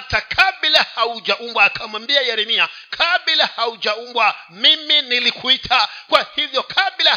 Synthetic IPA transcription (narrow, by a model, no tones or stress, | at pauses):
takʰaɓilahaud͡ʒaʔumbwaːkʰamwambiajɛɾɛmia | kʰaɓilahaud͡ʒaumbwa | miminilikuitʰakwahivjɔkʰaɓila